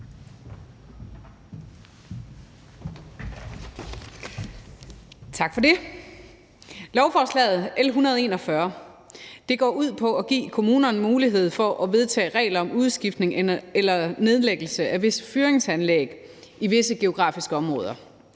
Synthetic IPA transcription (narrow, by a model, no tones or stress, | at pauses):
t͡sʰɑ̈ɡ̥fɒde̝ | lɒʊfɒːslɛ̰ːɪð̩ˠelɦunɐð̞̩ˠe̝ːnɒ̽fɶɐ | d̥e̝ɡ̥ɒ̰ːuð̞̰ˠpʰɒ̽ɒɡ̥ḭːkʰo̝muːnɐnmuːliɦe̝ð̞̰ˠfɒ̽ʔɒ̽ʋe̝ð̞ˠt͡sʰɛ̰ːʁɛ̰ɪlɐɒ̽muð̞ˠsɡ̥ifd̥ne̝ŋelɐne̝ð̞ˠleɡ̥l̩səʔæʋe̝sə̥fyːɐeŋsænleɡ̥ | iʋe̝səɡ̥e̝o̝ɡ̥ʁɑ̰̈ːfisɡ̥əɒ̽mʁɔ̽ːðˠɐ